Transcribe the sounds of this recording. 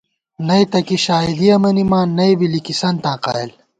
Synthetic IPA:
nɐjt̪ɐkiɕaːid̪iɐmɐnimãːnːɐjbilikisɐnt̪ãːqa̰ːil

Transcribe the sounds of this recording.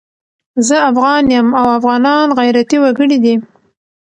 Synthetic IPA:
zəafɣɑnjəmawafɣɑnɑnɣajɾat̪iwaɡəɽid̪i

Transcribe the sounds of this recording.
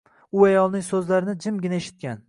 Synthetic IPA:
ʊajɒlˠnɪŋsɵzlaɾɪnɪd͡ʒɪmɡʲɪnaeʃɪ̥t̪̚kʲan

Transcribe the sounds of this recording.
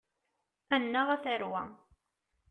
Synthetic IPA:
ænːaʁæθəɾwæ̰

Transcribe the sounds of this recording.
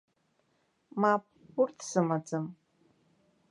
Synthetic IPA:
maːpː | ʊrtʰsɨmad͡zɨm

